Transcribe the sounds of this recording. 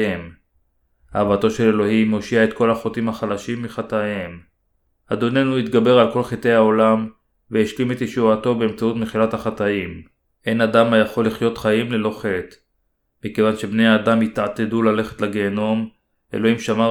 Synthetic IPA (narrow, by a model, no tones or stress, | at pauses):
em | havat̪o̞ʃe̞le̞lo̞himːo̞ʃiaet̪̚ko̞laχotimhaχalaʃimːiχat̪ajem | ad̪o̞ne̞nuit̪ɡabe̞ʁalko̞lχete̞jhao̞lam | veeʃlime̞t̪jeʃuato̞beːmt͡saut̪meχilat̪haχat̪aim | ʔe̞nad̪amajaχo̞lːiχjo̞t̪χaimlelo̞χe̞t̪ | mike̞vanʃe̞bne̞jaːd̪amit̪at̪edulale̞χet̪laɡe̞ːno̞m | ʔe̞̰lo̞himʃama